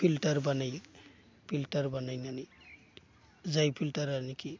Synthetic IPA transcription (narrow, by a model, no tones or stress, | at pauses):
pʰilʈaɾbanaj | pʰiltaɾbanajnani | zajpʰiltaɾaniki